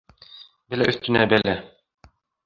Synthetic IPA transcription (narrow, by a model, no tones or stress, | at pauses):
bɘlæʔɵ̆θt̪ɘ̆næbælæ